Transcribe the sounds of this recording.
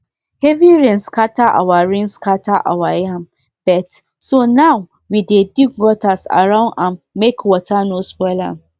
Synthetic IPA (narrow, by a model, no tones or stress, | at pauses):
hɛviɹĩŋskʰataʔa̰waɹĩŋskatʰaʔa̰wajãm | b̥ɛt | sonaw | widedik̚ɡɔtʰasa̰ɹãʊ̃nãmːekwɔtanospɔlã̰m